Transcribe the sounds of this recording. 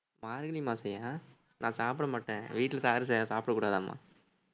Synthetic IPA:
maːɾɡɐɽimaːsɛjaː | nʔãːsaːpɪɽɐmaːʈːḛ̃ːʋiːʈːlɐsaːɾɯs̬ɛjãːsaːpɽɐkːuːɽaːðãːma̰ː

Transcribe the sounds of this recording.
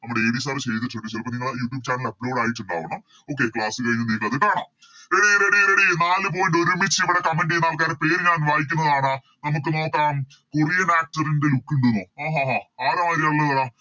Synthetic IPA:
nɐmuɽeeːbis̬aːrt͡ɕejt̪̬ːiʈ̬ːuɖisɐlpːoniŋːɐɭjuːʈːjuːbt͡ɕaːrʈːilɐpːlo̞ːɽaːjiʈːuɳɖa̰ːʋɐɳɐm | o̞ːkːekɭaːsɨkɐɻiɲːuniːkːɐɐðiʈːaːɳɐ | ɾeɽijeɾeɽijeɾeɽijunaːlɨp̬oːjɐɳɖoɾumit͡ɕːiʋiɽe̞kɐmːenɖejnːaːlk̬aːɾepe̞ːɾɲaːnʋaːjikʲːunːɐðaːɳɨ | nɐmukːɨno̞ːkːaːɐm | kurijɐnaːk̚ʈɐrindelukːuɳɖunːuaːɦaːɦaːaːɾɐmaːɾilɐɭːɐðɐɭa

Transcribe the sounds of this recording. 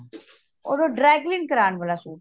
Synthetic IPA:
o̰ːdoɖɾɛːɡlinkəɾaːnboːlaːsuː

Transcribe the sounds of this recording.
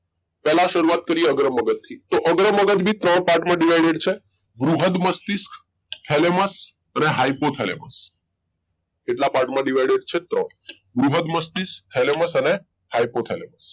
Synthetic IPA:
pɛlãʃəɾuat̪̚kəɾieəɡɾəmːəɡət̪t̪ʰːit̪oʔəɡɾəməɡət̪bʱit̪ɾəɳpaɾʈmãɖiʋ̤ajɖeɖt͡ʃʰe | bɾuɦəd̪məst̪isk | t̪ʰeleməs | əneɦajpot̪ʰelḛməs | eʈlapaɾʈmãɖiʋajɖeɖt͡ʃʰet̪ɾəɳ̃ | bɾuɦəd̪məst̪ist̪ʰeleməsəne | hajpot̪ʰeleməs

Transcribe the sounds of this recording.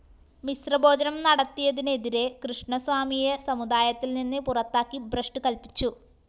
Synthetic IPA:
misrɐbo̞ːd͡ʑɐnɐmnɐɽɐt̪ːijɐðine̞ðiɾe̞krɨʂɳɐsʋaːmijɐsɐmud̪aːjɐt̪ːilninːɨpurɐt̪ːaːkːibrɐʂʈɨkɐlpit͡ɕːu

